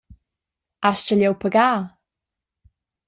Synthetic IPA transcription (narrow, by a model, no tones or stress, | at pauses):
ast͡ʃəljowpʰəɡaː